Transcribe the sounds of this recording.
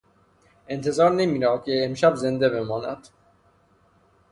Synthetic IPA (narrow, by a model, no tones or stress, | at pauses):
ʔe̞nt̪ʰe̞zɒːɾnemiːɾɒːkʰeːmʃæbze̞nd̪e̞βe̞mɒːnæ̰d̪̥